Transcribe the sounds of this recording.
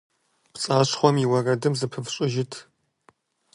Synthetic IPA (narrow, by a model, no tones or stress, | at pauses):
pt͡sʼaːɕχʷɔmiwɐrɐdɨmzɨpʰɨfɕʼɪʒɪtʰ